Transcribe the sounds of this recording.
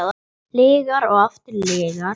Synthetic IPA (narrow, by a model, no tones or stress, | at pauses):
ð | lɪːɣaɾɔɣaft̪ɪɾlɪːɣa